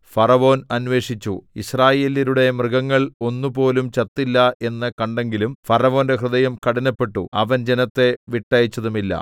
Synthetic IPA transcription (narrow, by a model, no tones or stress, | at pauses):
fɐrɐʋo̞ːnɐnʋe̞ːʂit͡ɕːuḭsraːje̞ːliɾuɽe̞mrɨɡɐŋːɐɭo̞nːupo̞ːlumt͡ɕɐt̪ːilːɐe̞nːɐkɐɳɖe̞ŋɡilumfɐrɐʋo̞ːnde̞ɦrɨðɐjɐmkɐɽɐnɐpːe̞ʈːuɐ̰ʋɐnd͡ʑenɐt̪ːe̞ʋiʈːɐjit͡ɕːɐðumilːɐ̰